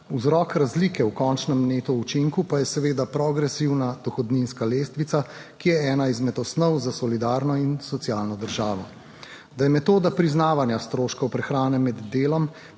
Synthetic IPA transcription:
uzɾɔːkɾazliːkɛwkɔnt͡ʃnɛmneːt̪ɔut͡ʃiŋkupajɛsɛʋeːd̪apɾɔɡɾɛsiwnad̪̥ɔxɔd̪ninskaleːst̪ʋit̪sakijɛɛːnaizmɛt̪ɔsnɔwzasɔlid̪aːɾnɔinsɔt̪sijaːlnɔd̪əɾʒaːʋɔ | d̪ajɛmɛt̪oːd̪apɾiznaːʋanjast̪ɾoːʃkɔwpɾɛxɾaːnɛmɛd̪ːeːlɔm

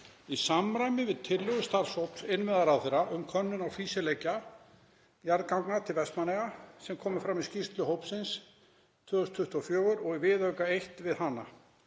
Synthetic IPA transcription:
isamɾajmɪvɪðt̪ʰɪlːʏɣʏst̪aɾ̥showpn̥sɪnvɛðaɾawθɪɾaʔʏmkʰœnːʏnawfiːsɪlejca | jaɾðkawŋknat̪ʰɪlvɛst̪manɛɣasɛmkʰɔːmɪfɾamiscist̪lʏɦowpsɪns | t̪ʰvœːðʏst̪ʰʏht̪afjœːɣʏɾɔɣivɪðœkaejht̪vɪðɦanːa̰

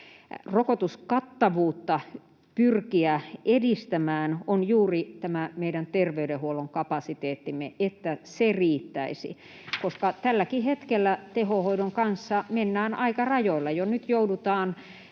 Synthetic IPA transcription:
rokot̪uskɑt̪ːɑʋuːt̪ːɑ | pyrkiæedist̪æmæːnonjuːrit̪æmæmeiɾænt̪erʋeyɾehuoloŋkɑpɑsit̪eːt̪ːimːeʔet̪ːæseriːt̪ːæisḭ | koskɑt̪ælːækihet̪kelːæt̪ehohoidoŋkɑnsːɑmenːæːnʔɑikɑrɑjoilːɑjonyt̪joudut̪ɑːn

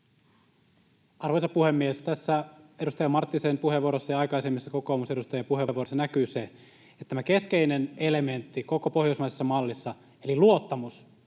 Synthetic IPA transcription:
ɑrʋojsɑpuhemːiest̪æsːæedust̪ɑjɑmɑrt̪ːisempuheʋːuoɾosːɑjɑɑjkɑijsemːisːɑko̞koːmuse̞dust̪ɑjempuheʋːuoɾosːɑnækyːse | et̪ːt̪ːæmækeskeinenele̞ment̪ːiko̞kopohjoismɑisesːɑmɑlːisːɑ | eliluo̞t̪ːɑmus

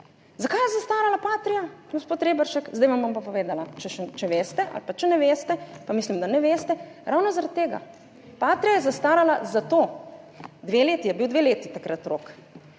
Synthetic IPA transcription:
zakajɛzast̪aːɾalapaːt̪ɾijaɡospoːt̪ɾeːbɛɾʃɛkzd̪ajʋambɔmpapɔʋeːd̪alat͡ʃɛʃɛt͡ʃɛʋeːst̪ɛʔa̰lpat͡ʃɛnɛʋeːst̪ɛpamislimd̪anɛʋeːst̪ɛ | ɾaːwnɔzaɾat̪̚t̪ːeːɡa̰ | paːt̪ɾijajɛzast̪aːɾalazat̪oː | d̪ʋeleːt̪ijɛbiwd̪ʋeleːt̪it̪akɾat̪ɾok

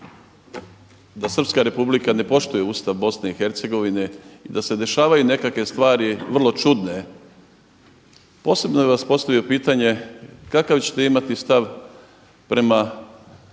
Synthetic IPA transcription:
d̪asər̩pskaɾe̞publikane̞po̞ʃt̪uje̞ust̪aʋbo̞sne̞ixe̞ɾt̪se̞ɡo̞ʋine̞id̪ase̞d̪e̞ʃaːʋajune̞kakʋe̞st̪ʋaːɾiʋr̩lˠo̞t͡ʃud̪ne̞ | po̞ːse̞bnojʋaspo̞st̪aʋijo̞piːt̪aɲe̞kakaʋt͡ɕe̥t̪e̞imat̪ist̪aʋ | pɾe̞ma

